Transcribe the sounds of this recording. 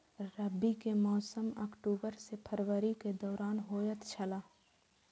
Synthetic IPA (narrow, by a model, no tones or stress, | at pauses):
ɾəbːikemɔːsəmə̰kʈuːbəɾsepʰəɾʋəɾiked̪ɔːɾaːnɦoːjət̪ʰt͡ʃʰəlaː